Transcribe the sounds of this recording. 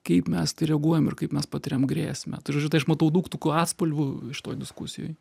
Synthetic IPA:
kɐɪpmʲɛst̪ɐɪɾʲɛɡuɔjɛmɪrkɐɪpmʲɛspɑt̪ʲɪɾʲɛmɡɾʲæːsʲmʲɛ̰t̪ɐɪʒoːd͡ʒʲʊt̪ɐɪɐʃmɐt̪ɐʊd̪uːkt̪uːkʲuɑːt̪spɐlʲʋʲʊʃʲɪ̥t̪oːjd̪ʲɪskʊsʲɪjo̰ːj

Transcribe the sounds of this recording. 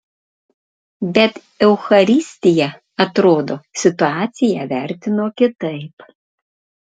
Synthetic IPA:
bʲɛt̪ | ɛʊxɐɾʲɪsʲt̪ʲɪjɛ | ɐt̪ɾoːd̪oːsʲɪt̪ʊɑːt̪sʲɪjɛʋʲæˑɾʲt̪ʲɪnoːkʲɪt̪ɐɪp

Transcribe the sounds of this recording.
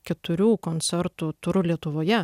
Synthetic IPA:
kʲɛt̪ʊɾʲuːkonʲt̪sʲɛɾt̪uːt̪ʊɾʊlʲiɛt̪ʊʋoːjɛ

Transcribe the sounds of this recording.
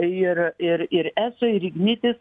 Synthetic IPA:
ɪrɪrɪɾæːsoːɪrʲiɡʲnʲɪt̪ʲɪs

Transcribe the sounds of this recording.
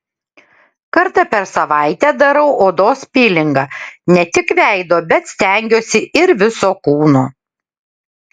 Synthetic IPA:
kɐɾt̪ɐpʲɛɾsɐʋɑˑɪt̪ʲɛːd̪ɐɾɐʊʔoːd̪oːspʲiːlʲɪŋɡɐnʲɛt̪ʲɪkʋʲæɪd̪oːbʲɛt̪sʲt̪ʲæˑŋʲɡʲoːsʲɪʔɪɾʋʲɪsoːkuːnoː

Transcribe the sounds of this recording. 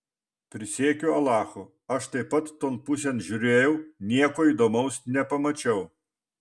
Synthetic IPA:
pʲɾʲɪsʲeːkʲʊɐlˠɑːxʊ | ɐʃt̪ɐɪpɐt̪ːonpʊsʲɛnʒʲuɾʲeːjɛʊnʲiɛkoid̪omɐʊsʲnʲɛpɐmɐt͡ʃʲɛʊ

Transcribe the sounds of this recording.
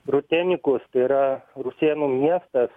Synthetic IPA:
ɾʊt̪ʲɛnʲɪkʊst̪ɐɾɐɾusʲiɛnumʲiɛst̪ɐs

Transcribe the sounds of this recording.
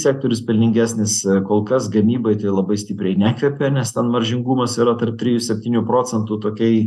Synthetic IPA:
sʲæːk̚t̪oːɾʲʊspʲɪlʲnʲɪŋʲɡʲæːsʲnʲɪskoːlˠkɐsɡɐmʲiːbɐɪt̪ɐɪlˠɐbɐɪsʲt̪ʲiːpʲɾʲɛɪnʲæːkʋʲɛpʲɛnʲɛst̪ʲɛnʋɐɾʲʒʲɪŋɡuːmɐsiːɾɐt̪ɐrp̚t̪ʲɾʲijusʲɛpʲt̪ʲiːnʲuːpɾoːt͡s̪ʲɛnt̪uːt̪oːkʲɛɪ

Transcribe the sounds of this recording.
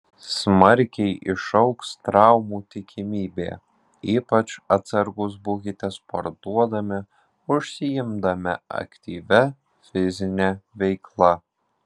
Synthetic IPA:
smɐɾʲkʲɛɪʔɪʃɐʊkst̪ɾɑˑʊmuːt̪ʲɪkʲʰɪmʲiːbʲḛː | iːpɐt͡ʃɐt̪sɐɾɡʊs̬bʊkʲɪt̪ʲɛspɐɾt̪uɔd̪ɐmʲɪ | ʊʃʲsʲɪjɪmd̪ɐmʲɛɐ̰kt̪ʲiːʋʲɛ | fʲɪzʲɪnʲɛʋʲɛɪklˠɐ

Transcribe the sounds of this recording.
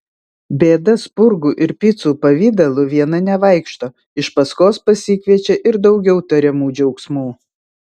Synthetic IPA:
bʲeːd̪ɐspʊɾɡuːʔɪɾpʲɪt̪suːpɐʋʲiːd̪ɐlˠʊʋʲiɛnɐnʲɛʋɐɪkʃt̪o | ɪʃpɐskoːspɐsʲɪkʋʲiɛt͡ʃʲɛʔɪɾd̪ɒʊɡʲɛʊt̪ɐɾʲɛmuːd͡ʒʲɛʊksʲmuː

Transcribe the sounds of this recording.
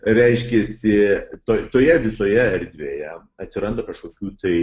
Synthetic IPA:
ɾʲɛɪʃʲkʲeːsʲɪt̪oːt̪oːjɛʋʲɪsoːjɛɐɾʲd̪ʲʋʲeːjɛ | ɐt̪ʲsʲɪɾɐnd̪ɐkɐʃkoːkʲuːt̪ɐɪ

